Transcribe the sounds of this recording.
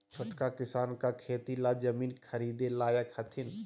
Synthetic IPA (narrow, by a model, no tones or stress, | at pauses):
t͡ʃʰʊʈkakɪsaːnkakʰeːt̪ilad͡ʒɐmiːnkʰɐɾiːd̪elaːjəkhɐt̪ʰɪn